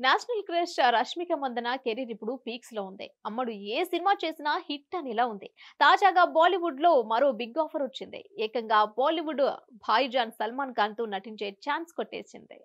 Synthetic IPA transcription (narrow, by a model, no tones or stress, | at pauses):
naːʃɐnɐlkɾeʂʈɾɐʂmikɐmɐnd̪ɐnɐkeɾiɾipːuɽupiːksloːund̪ḭɐmːɐɽueːsinimaːt͡ʃe̞ːsinɐhiʈːɐnilaːund̪it̪aːd͡ʒaːɡaːbaːliʋuɖlo̞ːmɐɾoːbiɡaːpʰɐɾɐt͡ʃːind̪ḭɛːkɐŋɡaːbaːliʋuɖbʱaːjid͡ʒaːnsɐlmaːnkaːnt̪uːnɐʈiɲt͡ʃe̞ːt͡ʃaːnskoʈːḛːsḭnd̪ḭ